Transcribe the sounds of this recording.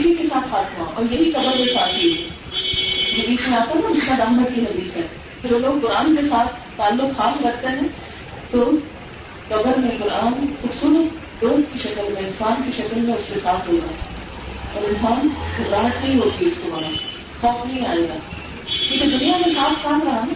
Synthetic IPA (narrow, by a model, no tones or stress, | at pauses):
kɪsikesaːt̪ʰxaːt̪ɦuaʔɔ̰ːɾjɐɦikɐbəɾmẽsaːt̪ʰɦiɦoi | ɦɐd̪iːsmẽaːt̪aaɪskad̪aːɦmət̪̚kiɦɐd̪iːsɦɛː | ɐɾoːloːɡ̚kʊɾaːnk̬esaːt̪ʰt̪ːaːlːʊkxaːsɾɐkʰt̪eɦɛ̃ | t̪ʊ | kɐbəɾmẽkʊɾʔaːnxʊbsuːɾət̪̚ | d̪oːst̪̚kiʃɐkəlmẽɪnsaːnkiʃɐkəlmẽʊskesaːt̪ʰɦoːɡ̪aː | ɔːɾɪnsaːnxʊbɾaːɦət̪nɐɦĩɦoːt̪iʊskomaːnaː | xɔːfnɐɦĩaːeːɡaː | kjũːked̪ʊnijamẽsaːt̪ʰsaːt̪ʰɾɐɦa